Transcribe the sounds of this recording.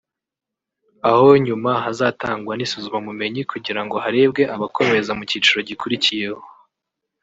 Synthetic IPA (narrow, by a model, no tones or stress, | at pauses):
aho̞ɲumaɦazaːtaːŋɡwanisuzumamume̞ɲikuɟiɾaŋɡo̞ɦaɾe̞b̚ɡe̞ʔaβakʰo̞me̞zamuciːt͡ʃuɾo̞ɟikuɾicije̞ho̞